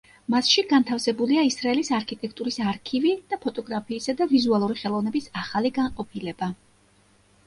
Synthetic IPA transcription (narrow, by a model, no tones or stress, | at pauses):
masʃiɡant̪ʰafsɛbuliaisɾaɛlisaɾkʰit̪ʼɛkʰt̪ʼuɾisaɾkʰivid̪̥apʰɔt̪ʼɔɡɾapʰiːsad̪avizualˠuɾiχɛlˠɔvnɛbisaχaliɡaŋqʼɔpʰilɛb̥a